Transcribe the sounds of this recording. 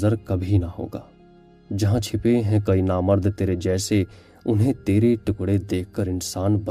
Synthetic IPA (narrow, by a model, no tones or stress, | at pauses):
zəɾkɐbʱinɐɦo̰ːɡa̰ː | d͡ʒɐɦãt͡ʃʰɪpeɦɛ̃kɐinaːməɾd̪ʱt̪eːɾed͡ʒɛːse | ʊnɦẽt̪eːɾeʈʊkɽed̪eːkʰkəɾɪnsaːnbɐ